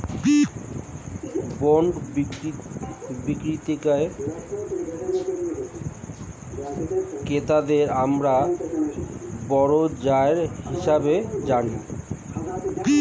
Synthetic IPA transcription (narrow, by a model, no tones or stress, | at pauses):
boɳɖ | bikɾit̪ikae | ket̪ad̪eɾamɾa | bɔɾod͡ʑaeɾhiʃabed͡ʑani